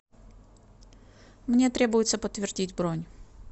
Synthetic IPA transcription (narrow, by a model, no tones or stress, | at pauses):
mnʲe̞t̪ɾʲe̞bʊjɪt̪səpət̪vʲɪrdʲitʲbɾonʲ